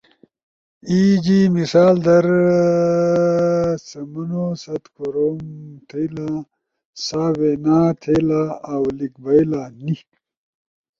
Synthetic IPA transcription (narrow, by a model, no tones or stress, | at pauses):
iːd͡ʑimisaːld̪ɐɾ | t͡sɐmɐnosɐt̪kʰoɾoːmt̪ʰela | saːweːnaːt̪ʰelaːwlik̚bɐilaːni